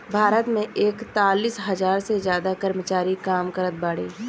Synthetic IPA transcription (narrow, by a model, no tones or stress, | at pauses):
bʱaːɾət̪mẽʔeːkt̪aːliːsɦɐzaːɾsezjaːd̪akəɾmət͡ʃaːɾikaːmkəɾət̪̚baːɽḛː